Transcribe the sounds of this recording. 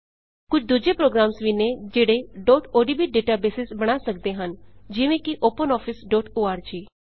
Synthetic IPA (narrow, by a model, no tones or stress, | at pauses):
kʊt͡ʃʰd̪uːd͡ʒeːpɾoːɡɾaːmsʋiːneːd͡ʒeːɽeːɖɔːʈoːɖiːbiːɖeːʈaːbeːsɪsbəɽ̃aːsəkd̪eːɦənd͡ʒɪʋẽːkɪʔoːpənɔːpʰɪsɖɔːʈoːaːɾd͡ʒiː